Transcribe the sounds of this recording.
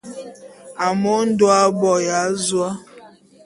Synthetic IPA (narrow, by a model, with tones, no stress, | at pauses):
a˨mo˦n̩˦dwa˦bɔ˨ja˨˦zwa˦